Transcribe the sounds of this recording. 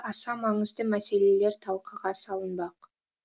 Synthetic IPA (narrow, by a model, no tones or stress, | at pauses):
ʔɑsɑmɑɴəzd̪əmæse̞le̞le̞ɾt̪ʰɑlˠqʰəʁɑsɑlˠənbɑq